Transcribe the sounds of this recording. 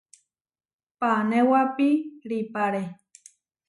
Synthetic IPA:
panẽwapiɾipaɾe

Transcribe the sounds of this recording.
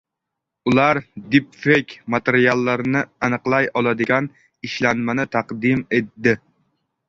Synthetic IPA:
ulˠaɾd̪ɪpfekʲmɑt̪eɾijalˠːɨɾnɪɑnɨqlˠɑjɑlˠɑd̪ɪɡʲan | iʃlænmɛnɪt̪ʰɑqd̪ɪmet̪ːɪ

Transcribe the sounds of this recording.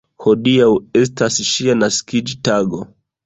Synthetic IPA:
ho̞diawe̞stasʃianaskid͡ʒitaɡo̞

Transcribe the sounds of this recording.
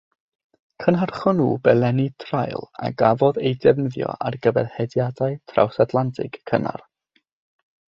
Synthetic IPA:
kʰənɦarχɔnuːbɛlˠɛnitʰrajlˠa̰ɡavɔðejdɛvnðjɔ̰ʔarɡəvɛ̰ðhɛdjadajtʰra̰wsatʰlˠantʰɪ̰ɡ̥kʰːəna̰r

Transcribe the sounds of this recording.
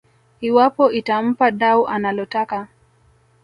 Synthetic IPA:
iwapɔʔitam̩paɗauʔanalɔtaka

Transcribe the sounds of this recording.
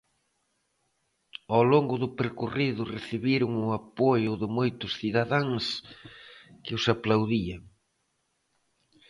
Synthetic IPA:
awloŋɡʊðʊpeɾkuriðʊreθiβiɾʊŋʊapojʊðɪmojt̪ʊsθiðaðaŋs | kɪʊsaplawðiɐŋ

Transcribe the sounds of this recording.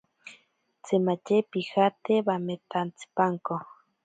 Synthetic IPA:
t͡semat͡ʃepixat̪eβamet̪ant͡si̥paŋko

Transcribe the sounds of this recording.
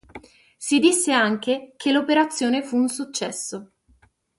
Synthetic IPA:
sid̪isːeaŋk̟ekʰelopeɾat̪sːjoːnefuunsut͡ʃːɛsːo

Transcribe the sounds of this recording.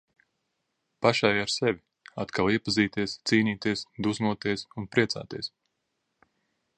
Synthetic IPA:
paʃajaɾsɛvʲi | a̰t̪kʰalˠiɛpaziːt̪iɛst̪siːnʲiːt̪iɛsd̪uzmuɔt̪iɛsunpɾiɛt̪sa̰ːt̪iɛs

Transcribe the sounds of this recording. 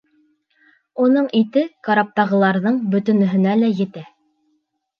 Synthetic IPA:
unɤɴʔit̪ɘkɑɾɑp̚t̪ɑʁɤ̆lˠɑɾðɤɴbɵ̆t̪ɵ̆nɵ̆ɦɵ̆nælæjɘ̆t̪æ

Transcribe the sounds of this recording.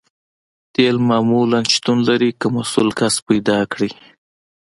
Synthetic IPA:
t̪elmɑmulanʃt̪unlaɾikəmasulkaspajd̪ɑkɽi

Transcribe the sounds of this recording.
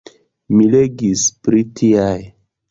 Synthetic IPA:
mileɡispɾitʰiaj

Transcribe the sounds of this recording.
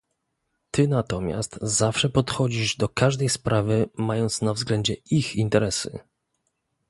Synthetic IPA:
t̪ɘnat̪ɔmʲja̰st̪zafʂɛpɔt̪xɔd͡ʑiʐd̪ɔkaʐd̪ɛjspɾʔavɘmajɔnt̪snavzɡlɛnd͡ʑɛixint̪ɛɾɛsɘ̰

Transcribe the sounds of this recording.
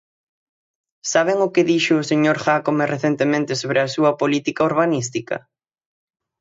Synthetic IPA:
saβ̞eŋʊkɪðiʃʊːseɲoɾxakomereθent̪emẽnt̪ɪsoβ̞ɾɪɐsuɐpolit̪ikɐoɾβanis̬t̪ikɐ̰

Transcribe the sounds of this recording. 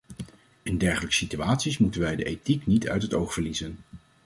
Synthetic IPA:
ɪndɛɹχələkə̥sityaːtsismutənʋɛjdəʔejtiknitʰœ̰ɥtɦətowχfəɹlizən

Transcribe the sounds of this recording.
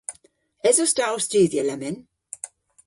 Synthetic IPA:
ɛzɔstalstʉːðjəlɛmɪn

